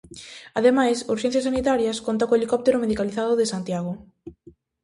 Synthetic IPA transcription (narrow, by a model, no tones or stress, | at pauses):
aðemajsuɾʃɛn̟θjɐsanit̪aɾjɐskont̪akoelikɔp̚t̪eɾʊmeðikaliθaðʊðesant̪jaɣ̞o